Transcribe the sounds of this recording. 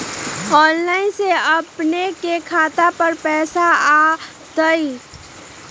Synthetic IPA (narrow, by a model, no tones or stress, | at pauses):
ɔːnlaːɪnseɐpnekekʰaːt̪apəɾpɛːsaaː | d̪əi